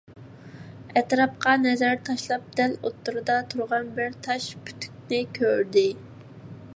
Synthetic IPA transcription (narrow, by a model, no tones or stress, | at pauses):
ɛt̪ɾɑp̚qɑnɛzæɾt̪ʰɑʃlˠɑp̚d̪̥ɛlot̪ʰːuɾɨd̪ɑt̪ʰuɾʁɑnbɪɾt̪ʰɑʃpʰy̥t̪ʰy̥k̚ʲnɪkʲʰøɾd̪ɪ